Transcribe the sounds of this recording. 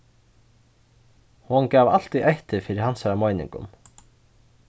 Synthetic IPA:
hɔnkaːva̰l̥t̪iʔejht̪ɪfɪːɾɪɾhansaɾamoːjnɪ̰ŋkʊ̰m

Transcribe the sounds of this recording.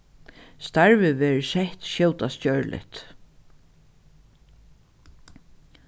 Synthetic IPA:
st̪aɹvɪʋɛːɾsɛht̪ʃjɛwt̪ascœɹlʔɪ̰ht̪

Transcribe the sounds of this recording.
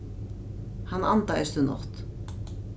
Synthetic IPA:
hanːant̪aɛ̰st̪ʏnɔ̰ht̪

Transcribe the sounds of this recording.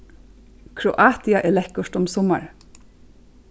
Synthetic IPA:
kʰɹʊʔɑːt̪ɪɑʔeːlɛkʊʃtɔmsɔmɑ̰ɹ

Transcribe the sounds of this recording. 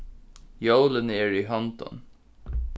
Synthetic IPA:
jowlənɛːɹiɦɑnt̪ɔ̰n

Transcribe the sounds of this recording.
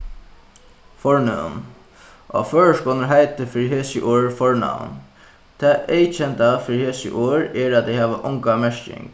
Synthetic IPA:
fɔɹnɛ̰n | ʔɔ̰føːɹəʂkɔːnəɹɦaɪt̪əfɪːɹiɦeːsɪʔuːɹfɔɹna̰n | t̪ʰɛːʔeɪt͡ʃʰɛnt̪afɪːɾiheːsə̰ʔuːɹɛɹat̪ɛhɛːʋəʔʊŋkamɛɹcɪ̰ŋk

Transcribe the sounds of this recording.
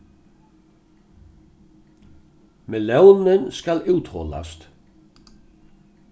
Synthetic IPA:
mɛlœwnnɪnskalʉːt̪hɔ̰la̰st̪

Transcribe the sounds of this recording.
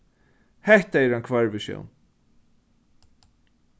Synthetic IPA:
hɛht̪aɛɾankʰvaɹvɛʃjo̰wn

